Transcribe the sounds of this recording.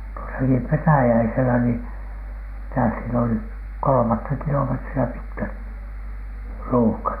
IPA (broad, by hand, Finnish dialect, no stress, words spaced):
tuosɑki petæjæiselæ niː mitæ siel oli kolomɑtːɑ kilometriæ pitkæt ruːhkɑt